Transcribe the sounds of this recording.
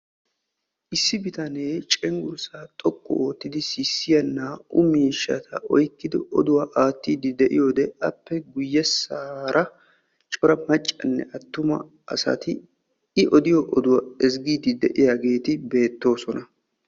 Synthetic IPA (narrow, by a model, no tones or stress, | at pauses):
ʔɪsːɪbɪt̪ɐneːt͡ʃʼɛŋɡʊɾsaːt̪ʼɔkʼːɔ̰oːt̪ːɪd̪ɪsɪsːɪjɐnːaːʊmiːʃːɐ̰t̪ʰɐʔɔjkːɪd̪ɪʔɔ̰d̪ʊwaʔaːt̪ːiːd̪ɪd̪ɛʔɪjo̞ːd̪ɛɐpːɛɡʊjːɛsaːɾʔɐ | t͡ʃʼɔɾɐmɐt͡ʃʼːɐnːɛ̰ʔɐt̪ːʊmɐ̰ | ʔɐ̰sɐ̰t̪ɪ | ɪʔɔd̪ɪjɔʔɔd̪ʊwɐɛzɡiːd̪ɪd̪ɛʔɪjaːɡe̞ːt̪ɪbe̞ːt̪ːo̞ːsɔnɐ